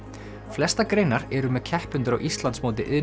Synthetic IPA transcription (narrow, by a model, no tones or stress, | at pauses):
flɛst̪akɾeːjnaɾɛɾʏmɛðcʰɛhpʏnt̪ʏɾa̰wʔist̪lant̪smoːwt̪ɪʔɪ